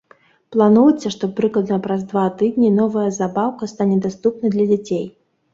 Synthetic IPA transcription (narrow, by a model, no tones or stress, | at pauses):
plˠanujʲsʲɐʂt̪ɔpɾɨklˠɐd̪nɐpɾazd̪vat̪ɨd̪ʲnʲinɔvɐjɐzabawkɐst̪anʲɛd̪ast̪upnɐd̪lʲɐd͡zʲat͡sʲej